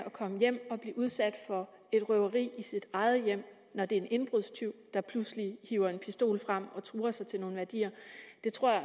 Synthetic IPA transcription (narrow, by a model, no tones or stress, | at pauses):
ɒ̽kʰɒ̽məjem̰ɒ̽b̥liːʔuð̞ˠsæd̥fɒ̽ | e̝d̥ʁœʊɐʁḭːisid̥ɑ̈ɪðˠəjem̰ | nɒd̥e̝e̝nʔe̝nb̥ʁuðˠst͡sʰyʊ̰d̥ɑ̈pʰluslihiːʊ̰ɐe̝npʰisd̥o̝̰ːlfʁɑm̰ɒ̽t͡sʰʁuːɐsɑ̈ɪt͡sʰe̝lno̝ːn̩ʋæɐd̥ḭːɐd̥e̝t͡sʰʁo̝ɐ̰j